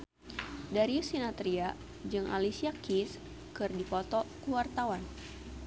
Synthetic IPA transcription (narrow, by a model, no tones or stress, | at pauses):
daɾiusinat̪ɾia | d͡ʒɨŋʔa̰lisiakis | kɨrdipɔt̪ɔkuwart̪awan